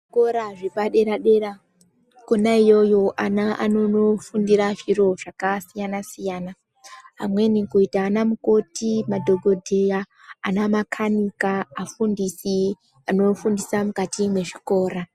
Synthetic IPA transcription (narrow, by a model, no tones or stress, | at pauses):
ʐikoɾaʐipaɗe̞ɾaɗe̞ra | konaijo̞jo̞ʔanaʔanonofundiɾaʐiro̞ʐ̥akasijanasijana | ɦa̰mwe̞nikuitaːnamuko̞timadʱoɡʱodʱijaː | namakʰanikaːfundisi | ano̞fundisamukatimwe̞ʐiko̞ːra